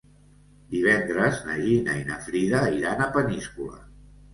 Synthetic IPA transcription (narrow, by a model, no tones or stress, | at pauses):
d̪iβ̞ɛnd̪ɾəznəʒinə̰inəfɾiðəiɾanəpəniskulə̰